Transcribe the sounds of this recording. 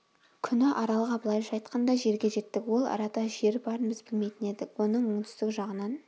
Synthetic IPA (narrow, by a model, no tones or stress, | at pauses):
kʲʰʏnɪʔɑɾɑlˠʁɑbəlˠɑjʒɑjt̪qʰɑnd̪ɑʒe̞ɾɡʲe̞ʒe̞t̪ːɪkwo̞lˠɑ̰ɾɑt̪ɑʒe̞ɾbɑɾənbɪzbɪlme̞jt̪ɪne̞d̪ɪkwo̞nəɴmʊɴt̪ʰʏ̥zt̪ɪkʒɑʁənɑn